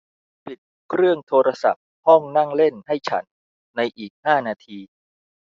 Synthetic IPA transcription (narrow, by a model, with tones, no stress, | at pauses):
pi˨˩t̪̚ | kʰɾɯ˥˩əŋt̪ʰoː˧ɾa˧sa̰˨˩p̚hɔ˥˩ŋna˥˩ŋle˥˩nha˥˩jt͡ɕʰa̰˦˥nː | a˧jʔiː˨˩k̚haː˥˩naː˧t̪ʰiː˧